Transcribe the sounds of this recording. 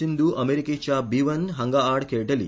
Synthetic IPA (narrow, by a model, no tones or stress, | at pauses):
ind̪uʔɐmeɾikeːt͡ʃabiʋɐnɦɐŋɡaaːɾɖkeːʈɐlḭ